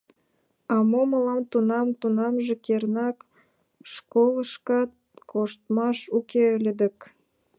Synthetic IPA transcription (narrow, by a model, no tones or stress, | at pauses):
ɑmoməlɑmt̪unɑmt̪unɑmʒĕkernɑk | ʃkoləʃkɑt̪̚koʃt̪mɑʃukeəlʲəd̪ə̆k